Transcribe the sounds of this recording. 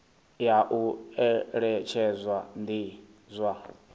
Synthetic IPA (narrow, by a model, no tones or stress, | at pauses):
jaʔuɛɺɛt͡ʃʰɛzʷwandi | zʷwa